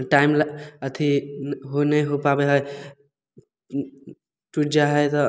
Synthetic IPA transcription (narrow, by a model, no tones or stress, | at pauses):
ʈajmlət̪ʰiɦonəjɦopabeɦʌj | ʈuʈd͡ʒaɦʌjt̪ʌ